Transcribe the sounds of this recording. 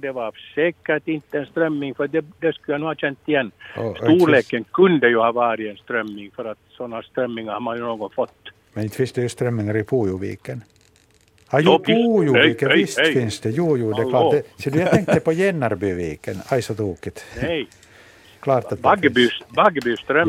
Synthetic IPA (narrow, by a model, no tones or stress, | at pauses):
d̪ɛvaɾsɛːkəɾʈɪnt̪ːəɛnst̪ɾœmːɪŋfœɾad̪ɛd̪ɛskʉljanuːhɑːɕɛnt̪ːɪjɛnːɔsuːɭeːkːənkʰɵnd̪əjʉhɑːvɑːɾɪɛnst̪ɾœmːɪŋfœɾat̪sɔnːast̪ɾœmːɪŋaɾhaɾmanjʉnoːɡɔnfɔt̪ː | mɛnɪnt̪ːfɪnsd̪ɛjʉst̪ɾœmːɪŋaɾɪpʰuːjuʋḭːkən | ɑjʊpuːjuːkːənɪst̪fɪnsd̪ɛjuːjuːd̪ɛklɑːd̪ɛsɔd̪ʉjaɛŋk̚t̪d̪ɛpʰɔjɛnːaɾbyviːkənæjsɔt̪ʰuːkɪt̪ɛj | kʰlɑːɾat̪ɡbybaɡbyːst̪ɾœ